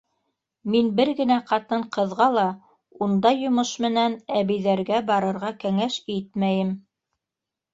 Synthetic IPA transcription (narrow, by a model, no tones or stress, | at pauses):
minbɘɾɡɘ̆næqɑt̪ɤɴqɤ̆ðʁɑlˠɑ | und̪ɑjŏmɤʃmɘ̆nænæβɘ̆jðæɾɡæbɑɾɤ̆ɾʁɑkæŋæʃit̪̚mæjɘm